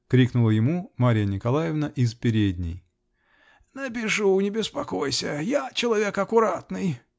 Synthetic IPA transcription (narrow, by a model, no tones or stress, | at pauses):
kɾʲiknʊlˠəjɪmumaɾʲɪjənʲɪkɐlˠajɪvnəʔɪspʲɪɾʲed̪ʲnʲɪ̰j | nəp̬ʲɪʂunʲɪbʲɪspɐkojsʲəjat͡ɕɪlˠɐvʲe̞kɐkʊɾat̪nɨj